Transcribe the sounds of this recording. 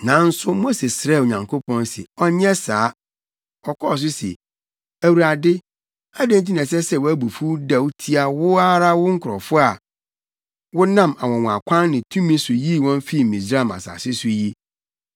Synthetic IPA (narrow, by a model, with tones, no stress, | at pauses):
nã˨n̩˦sʊ˦mo˦se˨sɾɛ˦˨o˨ɲã˨ŋkʰo˦pʰɔ̃˦nsɛ̰˨ɔ˦ɲɪ̃˦ɛ˦saː˨˦ | ɔ˨kʰɔ˦˨s̬ʊ˦sɛ̰˨ | æ˨wu˨ɾa˨dɪ˦ | a˦dẽ˦n˦t̬ĩ˦nã˨sɛ˦sɛ˨wʊ˦æ˦bu˨fu˦da˨wu˦tʰi˦a˦wʊ˦a˦ɾa˦wʊ˦ŋ̩˦kʰʊ˨ɾɔ̰˨fʊ˦a˨ | wʊ˦nã˦˨ma˨wɔ̃˨w̃a˨kʷʰã˦nːɪ̃˨tʰũ˦mĩ˦sʊ˨ji˦˨wɔ̃˦n˦fi˦˨m̩˨mĩ˨sɾa˦˨ma̰˨sa̰˨sɪ˦sʊ˦ji˦